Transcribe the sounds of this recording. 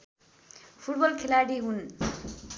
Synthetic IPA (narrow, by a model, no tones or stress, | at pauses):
pʰuʈbʌlkʰelaɽiɦun